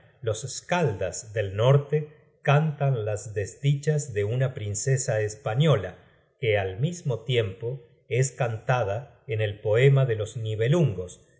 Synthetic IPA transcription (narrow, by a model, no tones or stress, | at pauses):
lo̞seskald̪azðe̞lno̞ɾt̪e | kant̪anlazðe̞zd̪it͡ʃazðe̞unapɾinse̞saespaɲo̞la | kealmizmo̞t̪je̞mpo̞ | e̞skant̪aða | ene̞lpo̞e̞maðe̞lo̞zniβe̞luŋɡo̞s